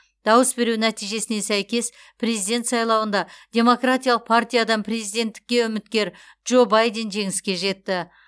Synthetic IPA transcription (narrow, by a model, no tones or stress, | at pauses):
d̪̥ɑwəsbe̞ɾunæt̪ijʒe̞sɪne̞sæjkʲe̞s | pʰre̞zijd̪ʲe̞nt̪sɑjlˠɑwənd̪ɑd̪̥ʲe̞mo̞krat̪ʲijalˠəq̚pʰart̪ʲijad̪ɑnpre̞zijd̪ʲe̞nt̪ːɪ̥kʲːe̞ʏmɪt̪̚kʲe̞ɾ | ʒo̞bajd̪e̞nʒe̞ŋɪskʲe̞ʒe̞t̪ːɪ